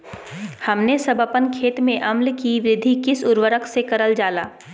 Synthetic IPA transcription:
hɐmnesɐbʱəpənkʰeːt̪mẽʔɐmlkiʋɾɪd̪ʱːikɪsʊɾʋəɾəkʰsekɐɾəld͡ʒaːla̰ː

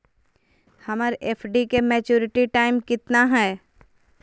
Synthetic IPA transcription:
hɐməɾeːpʰɖikemɛːt͡ʃuːɾɪʈiʈaːɪmkɪt̪naɦɛː

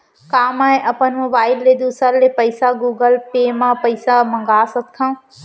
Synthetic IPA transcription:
kaːmaːẽʔɐpənmobaːɪlːeːd̪uːsəllepɐɪsaɡuːɡəlpeːmãpɐɪsamɐ̃ŋɡaːsɐt̪̚kʰãː

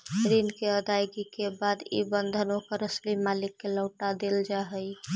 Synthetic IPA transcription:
ɾinkeəd̪ajɡikebad̪ḭbənd̪ʱənõkeɾəslimalɪkːeləʊʈad̪eld͡ʒaɦəj

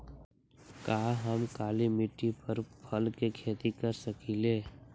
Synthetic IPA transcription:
kaːɦəmkaːlimɪʈːipʰəɾpʰəlkekʰeːt̪ikəɾsəkileː

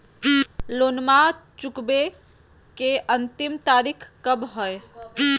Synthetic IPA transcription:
lonmat͡ʃukbe | keʔənt̪imt̪aɾikʰkəbɦɔj

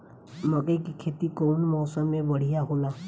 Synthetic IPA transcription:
mɔkejkikʰet̪ikownmɔsamebɔɽ̤ijaɦola

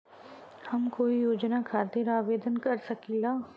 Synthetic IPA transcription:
hɐmkoːijoːd͡ʒnakʰaːɾt̪iɾaːʋeːd̪ənkɐɾsɐkilaː

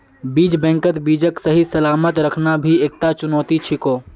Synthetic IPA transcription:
biːd͡ʒbɛ̃ŋkət̪biːd͡ʒəksəɦisəlaːmət̪ɾəkʰnabʱieːk̚t̪at͡ʃʊnɔːt̪it͡ʃʰikoː

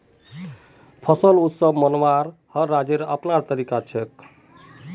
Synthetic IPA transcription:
pʰʌsəlut̪səbmʌnwaɾhʌːad͡ʒeɾəpnaɾt̪əɾikat͡ʃʰek̪̚

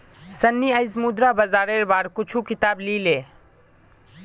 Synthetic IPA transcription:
sənːiəjzmud̪ɾabəzaːɾeɾbaːɾkʊt͡ʃʰukɪt̪aːblile

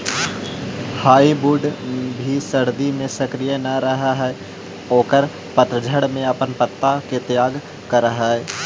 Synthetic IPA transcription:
haːibuːɖbʱisɐɾd̪imẽsɐkɾijənɐɾɐɦaɦɛ | oːkəɾ | pət̪ɾəd͡ʒʱəɽmẽɐpənpət̪ːaket̪jaːɡ | kɐɾəɦaɦɛː

